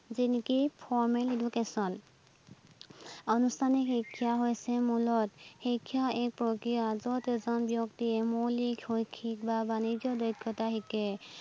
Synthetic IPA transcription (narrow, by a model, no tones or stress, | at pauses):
zinikipʰɔɹmɛledukesɔl | ɔnustʰanihikʰːjaɦojsɛmulɔthikʰːjaɛk̚pɹɔkɹijazɔtezɔnbjɔktiɛmolikhojkʰːikbabanizɔdɔjkʰːɔtaɦikɛ